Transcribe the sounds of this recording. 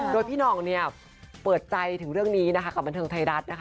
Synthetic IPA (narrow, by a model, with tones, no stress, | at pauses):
doː˧jpʰiː˥˩nɔː˧˩ŋni˥˩ɐ | pɤː˨˩t̪̚t͡ɕa˧jt̪ʰɯ˨˩˦ŋɾɯ˥˩əŋniː˦˥na˦˥kʰa˦˥ka˨˩ba˧nt̪ʰːŋt̪ʰa˧ɾa˦˥t̪̚na˦˥kʰa˥